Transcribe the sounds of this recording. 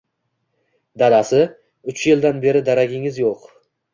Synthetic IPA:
d̪ad̪asɪ | ʊt͡ʃjɪld̪anbe̞ɾɪd̪aɾaɡʲɪŋɪzjoq

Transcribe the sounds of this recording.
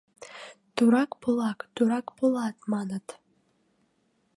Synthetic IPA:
t̪uɾɑkpolˠɑkt̪uɾɑkpolˠɑt̪mɑnət̪

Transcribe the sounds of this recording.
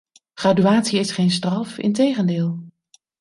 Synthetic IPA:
χraːdyaːtsiɪsχejnstrɑfɪ̰ntejχəndɪːlˠ

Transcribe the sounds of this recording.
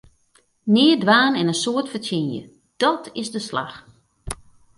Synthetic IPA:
nɪːdʋaːnɪnənsoətfətʰɪnjə̰ | d̥ɔtʰɪzdəsla̰x

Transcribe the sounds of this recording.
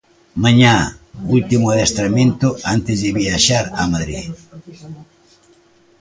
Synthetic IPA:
maɲault̪imʊaðest̪ɾamẽnt̪ʊant̪ɪzðɪβiaʃaɾa̰maðɾḭð

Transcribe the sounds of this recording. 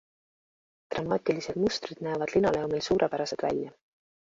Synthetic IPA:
t̪rɑmɑːt̪ʲˑilise̞d̪̥must̪rid̪̥næːvɑd̪linɑle̞omilsuːɾʔepæɾɑse̞d̪̥væ̰lʲjɑ

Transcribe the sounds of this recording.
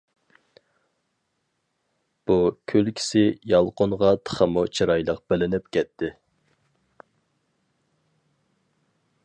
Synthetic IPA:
b̥ukʲʰølkʲʰɪ̥sɪjɑlˠqonʁɑt̪ʰə̥χəmut͡ʃʰiɾɑjlˠəq̚b̥ɪlɪnɪp̚kʲʰɛt̪ʰːɪ

